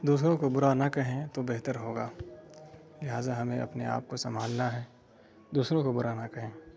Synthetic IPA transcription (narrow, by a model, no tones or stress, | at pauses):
d̪uːs̬ɾõkobʊɾanɐkɐɦẽt̪obeɦt̪əɾɦoːɡaː | lɪɦaːzaɦɐmẽʔɐ̰pnea̰ːp̚kosɐmbʱaːlnaɦɛː | d̪uːsɾõkobʊɾanakɐɦẽː